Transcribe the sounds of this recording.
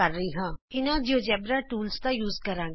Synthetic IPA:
əɾːəiːɦãːɪnãːd͡ʒoːd͡ʒɛːbɾaːʈuːlst̪ãːjuːzkəɾãː

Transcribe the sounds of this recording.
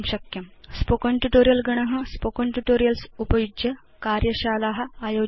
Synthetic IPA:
mɕɐkjɐmspokoɳʈuʈoːɾijɐlɡɐɳ̃ɐɦɐ̆spokoɳʈuʈoːɾijɐlsupɐjud͡ʒjɐ | kaːɾjɐɕaːlaɦɐ̆ajoː

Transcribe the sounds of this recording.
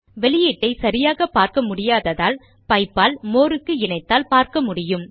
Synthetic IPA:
ʋɛɭɪjiːʈːɐɪsɐɾɪjaːɣɐpaːɾkɐmʊɽɪjaːðɐðaːl | pɐɪpːaːlmoːɾɯkːɯɪnɐɪt̪ːaːlpaːɾkɐmʊɽɪjɯm

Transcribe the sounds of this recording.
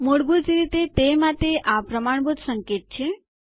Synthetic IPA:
moɽɡud͡ʒɾit̪et̪emat̪eʔapɾəmaɳ̃bud̪səŋket̪̚t͡ʃʰe

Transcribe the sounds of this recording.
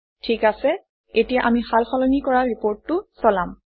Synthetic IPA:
tʰikasɛ | etijaʔamixalxɔlɔnikɔɹaɹipoɹtːʊsɔlam

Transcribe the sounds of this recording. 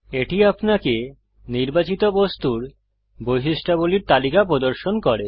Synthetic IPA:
eʈiapnake | niɾbat͡ɕit̪obost̪uɾ | bojɦiʃʈaboliɾt̪alikapɾod̪oɾʃonkɔɾe

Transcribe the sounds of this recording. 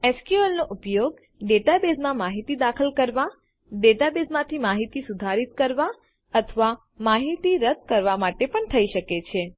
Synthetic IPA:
eskjuelnoʔupjoɡ | ɖet̪abesmãmaɦit̪id̪akʰəlkəɾʋa | ɖet̪abesmãt̪ʰimaɦit̪isud̪ʱaɾit̪kəɾʋa | ət̪ʰəʋa | maɦit̪iɾəd̪̚ʱkəɾʋamaʈepəɳt̪ʰəiʃəket͡ʃʰe

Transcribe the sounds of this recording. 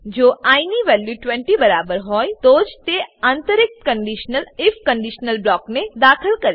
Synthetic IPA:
d͡ʒoʔainiʋɛljuʈʋɛ̃ɳʈibəɾabəɾɦɔjt̪od͡ʒt̪eant̪əɾɪk̚t̪kəɳɖiʃnəlɪfʰkəɳɖiʃnəlblɔkned̪akʰəlkəɾ

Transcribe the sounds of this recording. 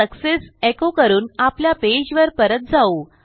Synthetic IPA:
əksesekokəɾuːnapljaped͡ʑʋəɾpəɾət̪̚d͡zau

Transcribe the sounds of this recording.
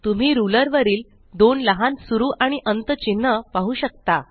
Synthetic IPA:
t̪um̤iːɾuləɾʋəɾiːl | d̪onləɦãnsuɾuːʔaɽ̃iʔənt̪ət͡ɕinːəpaɦuːɕək̚t̪a

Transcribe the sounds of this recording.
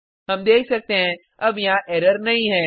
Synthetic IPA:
ɦɐmd̪eːkʰsɐk̚t̪eɦɛ̃ | ɐbjɐɦãʔɛːɾəɾnɐɦĩɦɛ̃ː

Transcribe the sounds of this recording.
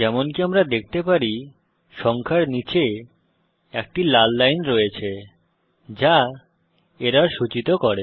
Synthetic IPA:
d͡ʑɛmonkiamɾad̪ek̚ʰt̪epaɾi | ʃɔŋkʰaɾnit͡ɕe | ek̚ʈilalːajnɾoet͡ɕʰe | d͡ʑa | eɾaɾʃut͡ɕit̪okɔɾe

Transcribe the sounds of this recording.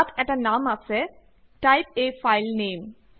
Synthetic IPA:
t̪ʰɛʈanamasʰɛ | ʈajp̚efajlneːm

